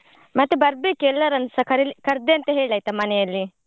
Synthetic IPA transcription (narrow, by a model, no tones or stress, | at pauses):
mɐt̪ːebɐɾbeːkɛlːɐɾɐnsɐkɐɾkɐɾd̪eɐnt̪ɐɦeːɭaːjt̪ɐmɐnɛjɐlːi